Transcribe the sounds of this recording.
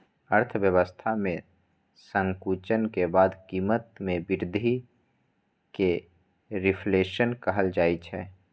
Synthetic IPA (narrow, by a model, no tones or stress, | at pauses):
əɾt̪ʰʋjəwəst̪ʰamẽ | sə̃ŋkuːt͡ʃənkebaːd̪kiːmət̪mẽbɪɾd̪ʱi | ke | ɾɪpʰleːʃənkəɦəld͡ʒaːit͡ʃʰɛː